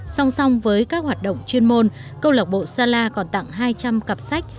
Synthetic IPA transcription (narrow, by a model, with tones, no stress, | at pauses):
sa˧wŋ͡msa˧wŋ͡mvəː˨˦jkaː˦˥k̚hwaː˨˩t̚ɗə̰˧˨wŋ͡mt͡ɕwi˧ənmo˧nkə˧wləː˨˩k͡p̚ɓo̰˧˨saː˧laː˧kɔ˨˩nt̪a̰˧˨ŋɦaː˧jt͡ɕa˧mkə˨˩p̚sa˦˥k̚